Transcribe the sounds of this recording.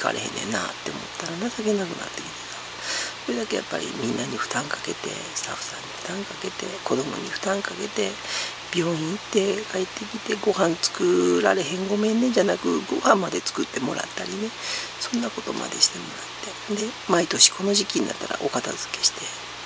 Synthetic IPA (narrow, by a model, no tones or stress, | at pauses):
ika̰ɾʔehḛ̃nːḛnːa̰t̪ːe̞omo̞̰t̪ːaɾanasake̞nakɯ̟na̰t̪ːe̞kʲi̥t̪e̥sa | so̞ɾed̪ake̞ja̰pːa̰ɾʲḭmʲĩnːaɲ̟iɸɯ̟̥t̪ãŋkake̞t̪e̞̰sɨ̥t̪aɸɯ̟̥sã̰ɲ̟ːiɸt̪ãŋkake̞t̪e̞ko̞d̪o̞mo̞̰ɲ̟iɸɯ̟̥t̪ãŋkake̞t̪e̞ | b̥ʲjo̞ːĩit̪ːe̞kaet̪ːe̞kʲit̪e̞ɡo̞hãnt͡sɨ̥kɯɾa̰ɾe̞ɦẽ̞ŋɡo̞mẽ̞nːed͡ʑanakɯ̟ɡo̞hãmːad̪e̞t͡sɨ̥kɯt̪ːe̞mo̞ɾa̰t̪ːaɾʲine̞sõ̞nːako̞t̪o̞ma̰d̪e̞ɕi̥t̪e̞mo̞ɾat̪ːe̞d̪e̞ | mait̪o̞ɕi̥ko̞no̞ʑikʲiɲiːa̰t̪ːaɾa̰ʔo̞kat̪azɨke̞̥ɕi̥t̪e̞